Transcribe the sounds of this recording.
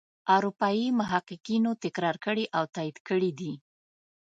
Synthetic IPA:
aɾupɑjimʊɦaqɪqinot̪ɪkɾɑɾkəɽiʔawt̪ɑid̪kəɽid̪i

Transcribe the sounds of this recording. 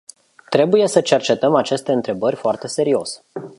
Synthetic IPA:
t̪ɾe̞buje̞sət͡ʃe̞rt͡ʃe̞t̪əmat͡ʃe̞st̪e̞ɨnt̪ɾe̞bərʲfoart̪e̞se̞ɾio̞s

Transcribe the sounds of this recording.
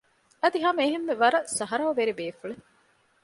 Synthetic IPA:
ɐd̪iɦɐmɐeɦemːeʋɐɾɐsɐɦɐɾɐoʋeɾibeːfuɭe

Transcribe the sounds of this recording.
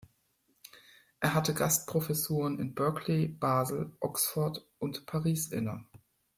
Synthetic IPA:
ʔeːɐɦatəɡastpʁ̥ofɛsuːʁ̞ənɪ̰nbœɐkʰleb̥aːzl̩ʔɔksfɔɐtʔʊntpʰaʁiːsʔɪ̰nə

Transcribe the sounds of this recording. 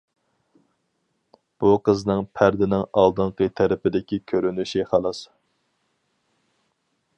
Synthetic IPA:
b̥uqʰəznɨŋpʰæɾd̪ɪnɪŋɑlˠd̪ɨɴqət̪ʰæɾɪpɪd̪ɪkʲikʲʰøɾynyʃiχɑlˠɑs

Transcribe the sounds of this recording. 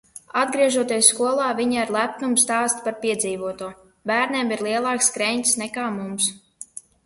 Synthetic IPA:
ad̪̚ɡɾiɛʒuɔt̪iɛsːkuɔlˠɑːvʲiɲaɾlˠæp̚numst̪ɑːst̪paɾpʲiɛd̪ziːvuɔt̪uɔ | bæːɾnʲiːmiɾlˠiɛlˠɑːkskɾɛɲʲt̪ʲsnɛkaːmums

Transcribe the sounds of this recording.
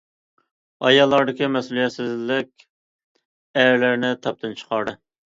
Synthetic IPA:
ɑjɑlˠːɑɾd̪ɪkʲimɛsulˠijɛt̪sɪzlɪkʲ | æɾlæɾnɪt̪ʰɑp̚t̪ʰɨnt͡ʃʰə̥qʰɑɾd̪ɨ

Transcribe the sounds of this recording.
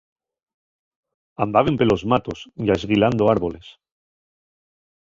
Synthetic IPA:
ambaβe̞mpe̞lo̞zmat̪osʝaezɣiland̪oaɾβo̞le̞s

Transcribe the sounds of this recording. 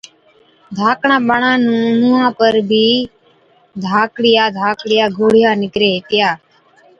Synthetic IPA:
d̪ʱaːkɳãːɓəɳãːnũːnũːãːpəɾbʱiː | d̪ʱaːkɽɪjaːd̪ʱaːkɽɪjaːɡʱoːɽɪjaːnɪkɾeːt̪jaː

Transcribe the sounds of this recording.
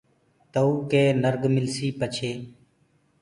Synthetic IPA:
t̪əuːkeːnəɾɡmɪlsiːpət͡ʃʰeː

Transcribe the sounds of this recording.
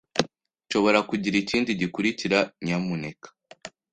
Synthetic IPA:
ʃo̞βo̞ɾakuɟiɾiciːndiɟikuɾiciɾaɲamunekḁ

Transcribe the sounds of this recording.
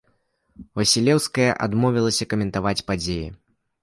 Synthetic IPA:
vɐsʲilʲɛwskɐjɐ̰ʔa̰d̪mɔvʲilˠɐsʲɐkɐmʲɛnt̪avat͡sʲpad͡zʲeji

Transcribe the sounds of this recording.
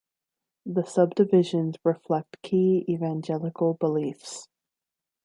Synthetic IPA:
ðəsʌb̚dɨvɪʒɨ̃nzɹɨflɛk̚tkʰiivæ̃nd͡ʒɛlˠəkl̩ˠbəlifs

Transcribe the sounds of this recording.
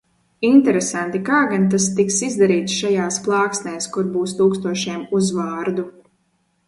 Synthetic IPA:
int̪ɛɾesant̪ikaːɡant̪̬ast̪iksizd̪aɾiːt̪sʃajaːsplˠɑːksnɛːskuɾbuːst̪uːkst̪uɔʃiɛmuzvaːɾd̪u

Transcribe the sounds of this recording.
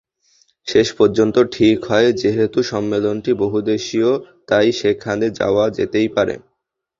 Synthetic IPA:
ʃeʃpoɾd͡ʑont̪oʈʰikɦɔed͡ʑeɦet̪uʃɔmːelonʈiboɦud̪eʃiot̪ajʃekʰːand̪ed͡ʑa̰oad͡ʑḛt̪ejpaɾḛ

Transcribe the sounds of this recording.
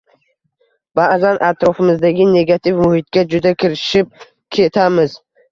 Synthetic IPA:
b̥aʔzanʔat̪ɾɒfɪmɪzd̪aɡʲɪne̞ɡat̪ʰifmʊhɪt̪̚ɡʲad͡ʒʊd̪akʲʰɪɾɪʃɪp̚ | kʲʰe̞t̪ʰamɪz

